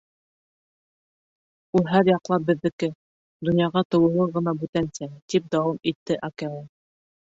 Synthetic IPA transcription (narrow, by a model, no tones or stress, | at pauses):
ulˠɦæɾjɑqlˠɑp̚bɘ̆ðːɘ̆kɘ | d̪ŏnjɑʁɑt̪ɤ̆wɤ̆lˠɤʁɤ̆nɑbʉt̪ænsæt̪ip̚d̪ɑwɑmit̪ːɘʔɑkælɑ